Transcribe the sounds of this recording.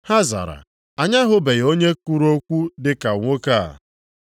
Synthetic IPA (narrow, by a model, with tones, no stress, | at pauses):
ha˦za̰˨ɾa̰˨ | a˨ɲa˦ɦʊ˦be˨jo˦ɲe˦ku˦ɾo˦kʷu˦dɪ˦ka˨ŋʷo˦ka˦˨a̰˨